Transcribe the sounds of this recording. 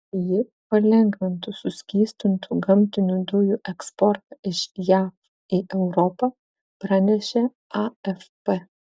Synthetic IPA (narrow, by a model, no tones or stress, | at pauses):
jɪ | pɐlʲɛŋɡʋʲɪnt̪usʊsʲkʲiːst̪ʊnt̪ʰuɡɐmʲt̪ʲɪnʲud̪ʊjuʔɛkspɔɾt̪ɐɪʃjɑːf | ɪʔɛʊɾɔpɐ | pɾɑnʲɛʃʲɛ | ɐɛfpɛ